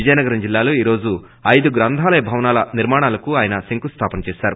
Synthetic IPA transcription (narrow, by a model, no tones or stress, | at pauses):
id͡ʒɐjnɐɡɐɾɐmd͡ʒilːaːloːiːɾo̞ːd͡ʒu | ɐjd̪uɡɾɐnd̪ʱaːlɐjɐbʱɐʋɐnaːlɐniɾmaːɳaːlɐkuaːjɐnɐsiŋkust̪ʰaːpɐnɐt͡ʃɛːsaːɾu